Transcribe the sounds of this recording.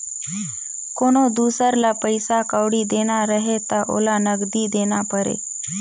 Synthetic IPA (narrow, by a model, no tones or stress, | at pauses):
konod̪uːsəɾlapəɪsakəʋɽid̪eñaɾəɦet̪aʔo̰lanəɡd̪iːd̪enapəɾḛ